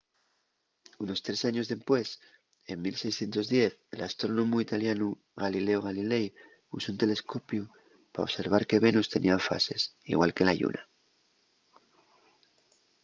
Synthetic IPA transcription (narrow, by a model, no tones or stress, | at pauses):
uno̞st̪ɾe̞saɲo̞zðe̞spwe̞s | e̞mmilse̞jsθje̞nt̪o̞zðje̞θḛlast̪ɾo̞nõ̞muit̪aljanu | ɣalile̞oɣ̞alile̞j | usount̪e̞le̞skopju | pa̰o̰se̞ɾβ̞aɾke̞βe̞nust̪e̞nʔiafa̰se̞sḭɣwalke̞laʎṵna